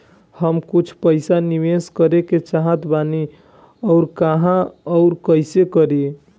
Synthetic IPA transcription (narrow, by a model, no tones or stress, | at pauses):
həmkut͡ʃʰpəɪsaniʋeskəɾeket͡ʃaɦət̪bani | ɔʊɾkaɦãɔʊɾkəɪsekəɾi